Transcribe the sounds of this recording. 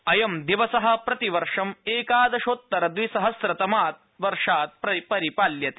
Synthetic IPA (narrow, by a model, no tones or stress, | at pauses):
ɐjɐmd̪iʋɐsɐɦɐ̆pɾɐt̪iʋɐɾʂɐmeːkaːd̪ɐʃoːt̪ːɐɾɐd̪ʋisɐɦɐsɾɐt̪ɐmaːt̪̚ | ʋɐɾʂaːt̪̚pɾɐpɐɾipaːljɐt̪ː